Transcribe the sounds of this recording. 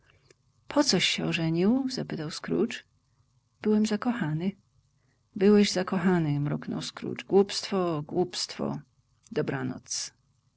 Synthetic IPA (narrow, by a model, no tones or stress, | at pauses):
pʰɔt̪sɔɕːɛɔʐɛɲiwzapɘt̪awskɾṵt͡ʂ | b̥ɘwɛmzakɔxanɘ | bɘwɛʑzakɔxanɘmɾuknɔ̰wskɾṵt͡ʂɡwupst̪fɔɡwupst̪fɔ̰ | d̪ɔbɾanɔ̰t̪s